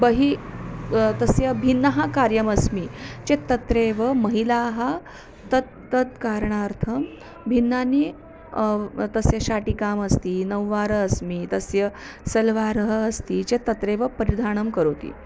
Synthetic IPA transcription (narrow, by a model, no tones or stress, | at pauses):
bəɦi | t̪ɐsjɐbʱinːəɦakaɾjɐmɐsmit͡ɕet̪ːɐt̪ɾeʋəmɐɦilaɦa | t̪ət̪̚ːəd̪kaɾɳaɾt̪ʰɐm | bʱinːani | t̪əsjɐɕaʈikamɐst̪iːnɐwːaɾəːsmit̪ɐsjɐ | sɐlʋaɾəɦəːst̪it͡ɕet̪ɐt̪ɾeʋəpəɾid̪ʱaɳ̃əmkəɾot̪ḭː